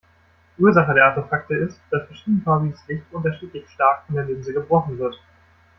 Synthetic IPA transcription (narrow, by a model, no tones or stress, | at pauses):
ʔuːɐzaχədeːɐʔaɐtefak̚təɪstd̥asfɛɐʃiːdn̩fʰaːbiəslɪçtʔʊntɐʃiːtlɪçʃtaɐkɪndeːɐlɪnzəɡəbʁɔχn̩vɪɐt